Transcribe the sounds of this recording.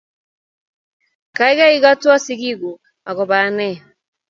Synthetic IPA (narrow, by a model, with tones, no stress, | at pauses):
ka˨i˦ɣa˦i˦ɣa˦twa˦si˦ɣi˦ɣu˨ | a˨ɣɔ˨βa˨˦nɛ˦˨